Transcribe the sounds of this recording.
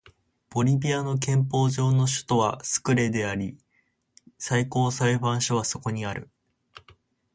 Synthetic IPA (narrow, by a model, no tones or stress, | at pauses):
b̥o̞ɾʲibʲiano̞k̬ẽ̞mpo̞ːʑo̞ːno̞ɕɨ̥t̪o̞βa̰sɨ̥kɯ̟ɾe̞d̪e̞aɾʲi | saiko̞ːsaibãɰ̃ɕoβ̞aso̞ko̞ɲ̟iaɾɯ̟